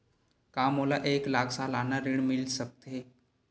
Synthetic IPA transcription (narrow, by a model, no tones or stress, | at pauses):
kaːmoːlaʔeːklaːkʰsalaːnaɾɪɽmɪlsək̚t̪e